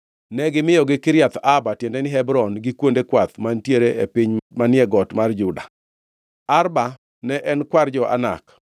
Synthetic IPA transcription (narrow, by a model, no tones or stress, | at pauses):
nɛɡɪmɪjɔɡɪkɪɾjat̪abatjendɛnɪɦɛbɾɔnɡɪkwondekwat̪mantjeɾeʔepɪɲmanɪɛɡɔtmard͡ʒʊda | arba | nɛʔɛnkward͡ʒɔʔa̰na̰k